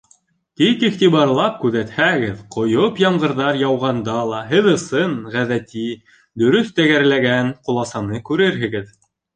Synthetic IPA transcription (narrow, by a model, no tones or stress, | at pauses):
t̪ikiχt̪iβɑɾlˠɑp̚kʉðæt̪hæɡɘðqŏjopjɑɴɢɤ̆ɾðɑɾjɑwʁɑnd̪ɑlˠɑɦɘðɤ̆sɤnʁæðæt̪i | d̪ɵ̆ɾɵθt̪æɡæɾlæɡænqŭlˠɑsɑnɤkʉɾɘɾɦɘ̆ɡɘð